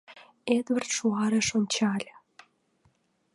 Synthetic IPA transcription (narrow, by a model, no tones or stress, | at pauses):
ed̪βɘ̆rt̪ʃuɑɾĕʃonʲt͡ɕɑlʲɤ̆